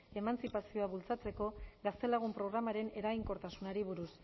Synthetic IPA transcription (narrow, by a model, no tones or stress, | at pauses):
e̞mant͡sipasio̞aβult͡sat͡se̞ko̞ɡast̪e̞laɣ̞umpɾo̞ɣ̞ɾamaɾe̞ne̞ɾajŋko̞ɾt̪asunaɾiβuɾus